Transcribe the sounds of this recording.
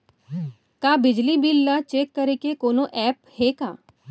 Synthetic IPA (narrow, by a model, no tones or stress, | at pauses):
kaːbɪd͡ʒlibiːlːat͡ʃeːkːɐɾekekoːnoʔɛːphekaː